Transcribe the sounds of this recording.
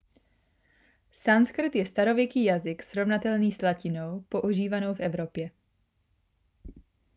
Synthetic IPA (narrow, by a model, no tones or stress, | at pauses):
sanskr̩t̪jɛst̪aɾo̞vjɛkiːjazɪksɾo̞vnat̪ɛlniːslacɪno̞wpo̞ʔuʒiːvano̞wfʔɛvɾo̞pjɛ